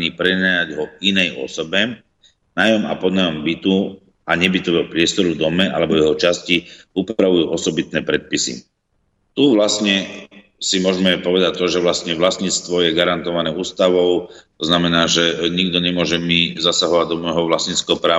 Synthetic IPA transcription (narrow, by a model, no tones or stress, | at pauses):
ɲiːpɾɛnajaɟɦɔinɛjɔ̰sɔbɛ | najɔma̰pɔd̪najɔmbit̪u | aɲɛbit̪ɔʋɛːɦɔpɾɪɛst̪ɔɾud̪ɔmɛa̰lɛbɔjɛɦɔt͡ʃasciupɾaʋujuːʔɔsɔbit̪nɛːpɾɛt̪̚pisḭ | t̪uʋlastɲɛ | simʊɔʒmɛpɔʋɛd̪ac̚t̪ɔʒɛʋlasɲɛʋlasɲiːt͡st̪ʋɔjɛɡaɾant̪ɔʋanɛːuːst̪aʋɔʊt̪ɔznamɛnaːʒɛɲiɡd̪ɔɲɛmʊɔʒɛmizasaɦɔʋaɟ̚d̪ɔmɔjɦɔʋlasɲit͡skɛɦɔpɾaː